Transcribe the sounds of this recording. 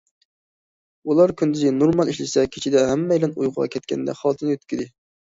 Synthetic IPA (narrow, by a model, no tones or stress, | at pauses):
ulˠɑɾkʲʰynd̪yzɡʲɛnoɾmɑlˠiʃlɪsɛkʲʰe̥t͡ʃʰid̪ɛɦæmːɛjlɛnṵjʁʊʁɑ̰kʲʰɛt̪kʲʰɛ̰nd̪ɛ̰χɑlˠt̪ʰɨnjøt̪̚kʲid̪ɪ